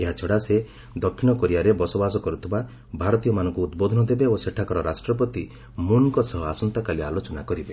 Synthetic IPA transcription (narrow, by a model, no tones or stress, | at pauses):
eɦat͡ʃʰɔɽase | d̪ɔkʰːinɔkɔɾiaɾebɔsɔbas̬ɔkɔɾut̪ʰiba | bʱaɾɔt̪ijɔmanɔ̃ŋkuːd̪bod̪ʱɔnɔd̪ebeoseʈʰakɔɾɔɾasʈɾɔp̬ɔt̪i | munkɔsɔɦɔasɔnt̪akalialot͡ʃɔnakɔɾibe